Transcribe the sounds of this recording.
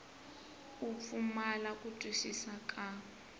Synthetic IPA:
up̪fumalakʼutʼiʃisakʼa

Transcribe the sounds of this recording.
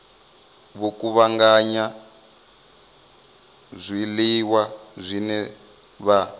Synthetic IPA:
βokuβaŋɡaɲa | zʷiliwazʷinɛ | βa

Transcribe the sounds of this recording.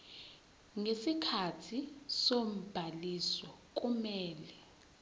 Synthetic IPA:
ŋesikʰatʰisom̩b̥ʱalisɔk̬ʼumɛːlɛ

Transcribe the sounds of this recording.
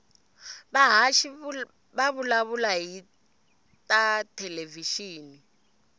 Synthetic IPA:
βaɦaʃi | βaβulaβulaɦi | tʼatʰɛleviʃiːni

